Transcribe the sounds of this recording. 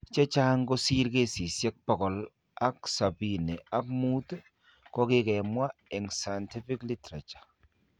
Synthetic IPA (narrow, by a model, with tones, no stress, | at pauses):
t͡ʃɛ˦t͡ʃa˦ŋɡo˦si˦ɾke˦si˨sjɛ˦k̚pɔ˨kɔ˨l | a˦ksa˨bi˦ne˨a˦kmu˦t | kɔ˦kɪ˦kɛ˨mwa˦ɛ˨ŋsa˨jnti˦fɪ˦kli˦tɾa˨t͡ʃḁ˨